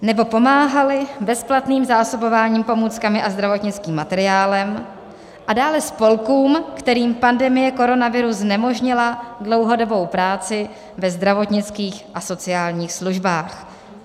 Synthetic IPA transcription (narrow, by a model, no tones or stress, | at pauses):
nɛbo̞po̞maːɦalɪbɛsplat̪niːmzaːso̞bo̞vaːɲiːmpo̞muːt͡skamɪʔazd̪ɾavo̞t̪ɲɪt͡skiːmːat̪ɛɾɪaːlɛm | ʔadaːlɛspo̞lkuːmkt̪ɛɾiːmpandɛmɪjɛko̞ɾo̞navɪɾuznɛmo̞ʒɲɪladlo̞wɦo̞do̞bo̞wpɾaːt͡sɪ | vɛzd̪ɾavo̞t̪ɲɪt͡skiːxʔaso̞t͡sɪaːlɲiːxsluʒbaːx